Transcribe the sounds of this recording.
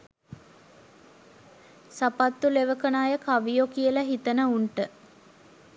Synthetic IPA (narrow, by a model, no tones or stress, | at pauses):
sapat̪ːuleʋəkənaːjəkaʋijokijəlaɦit̪ənəuɳʈə